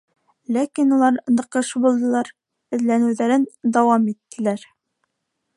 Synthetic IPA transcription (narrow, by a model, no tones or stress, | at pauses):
lækinulˠɑɾnɤ̆qɤʃbulˠd̪ɤ̆lˠɑɾ | ɘ̆ðlænɘ̆wðæɾɘnd̪ɒwɑmit̪ːɘ̆læɾ